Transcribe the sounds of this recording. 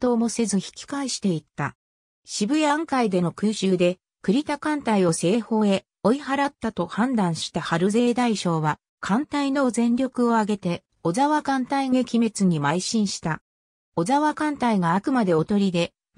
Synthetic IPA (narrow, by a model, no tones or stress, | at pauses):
t̪o̞ːmo̞se̞zɨçi̥kʲi̥kaiɕi̥t̪e̞it̪ːa̰ | ɕibɯ̟jaŋkaid̪e̞no̞kɯ̟ːɕɨːd̪e̞ | kɯ̟ɾʲit̪akãnt̪aio̞se̞ːho̞ːe̞ | o̞ihaɾat̪ːat̪o̞hãnd̪ãɰ̃ɕi̥t̪ahaɾɯ̟ze̞ːd̪aiɕo̞ːβa | kʰãnt̪aino̞zẽ̞nɾʲo̞kɯ̟o̞aɡe̞t̪e̞ | o̞zaβakãnt̪aiŋekʲime̞t͡sɨɲ̟imaiɕĩɰ̃ɕi̥t̪a | o̞zaβakãnt̪aiɡaːkɯ̟mad̪e̞o̞t̪o̞ɾʲid̪e̞